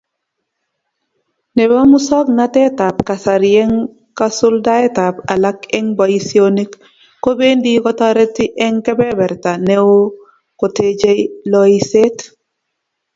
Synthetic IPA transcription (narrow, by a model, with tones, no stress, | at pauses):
nɛ˨ba˦mu˦sɔ˦knatɛ˦ta˨p̚ka˨sa˨ɾie˦ŋ | ka˦sʊ˦ldaɛ˦tapa˨la˦kɛ˦ŋba˨isioni˦kː | o˦be˦ndi˦kɔ˦taɾe˦tiʔɛ˦ŋkɛ˦bɛ˦bɛ˨ɾta˨newo | ko˨ted͡ʒe˦lɔise˦t